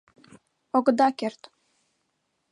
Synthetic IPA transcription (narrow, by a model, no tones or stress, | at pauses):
oɡɤ̆d̪ɑkert̪